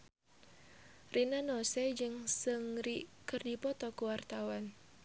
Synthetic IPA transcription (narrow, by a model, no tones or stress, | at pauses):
rʔinanɔsɛd͡ʒɨŋsɨŋɾikɨrdipɔt̪ɔkuwart̪awan